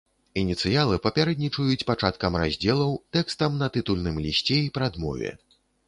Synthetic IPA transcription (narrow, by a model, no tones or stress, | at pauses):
inʲit̪sɨjalˠɨpɐpʲaɾɛd̪nʲit͡ʂujut͡sʲpat͡ʂat̪kɐmɾa̰zʲd͡zʲɛlˠɐwt̪ɛkst̪ɐmnɐt̪ɨt̪ulʲnɨmlʲisʲt͡sʲɛipɾad̪mɔ̰vʲɛ̰